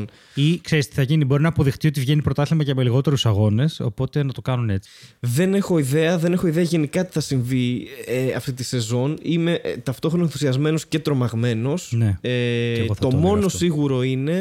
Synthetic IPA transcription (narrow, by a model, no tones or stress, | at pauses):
n | ikse̞ɾist̪i̥θɐʝinibo̞ɾinɐːpo̞ðext̪io̞t̪ivʝe̞nipɾo̞t̪ɐθlimɐcɐmeliɣo̞t̪e̞ɾusɐɣo̞ne̞so̞̰po̞t̪e̞nɐt̪okɐnune̞t͡si̥ðe̞ne̞xo̞iðe̞ɐðe̞ne̞xo̞iðeɐʝe̞nikɐt̪i̥θɐsiɱvieɐ̰ft̪it̪ise̞zo̞nime̞ʔt̪ɐft̪o̞xɾonɐenθu̥siɐzme̞no̞sce̞t̪ɾo̞mɐɣme̞no̞sneeɐoθɐt̪o̞mo̞no̞ssiɣuɾo̞ine̞